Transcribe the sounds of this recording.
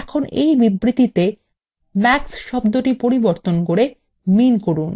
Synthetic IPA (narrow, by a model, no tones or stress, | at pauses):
ɛkʰonejbibɾit̪it̪e | mɛksʃɔbd̪oʈipoɾiboɾt̪onkoɾe | minkoɾun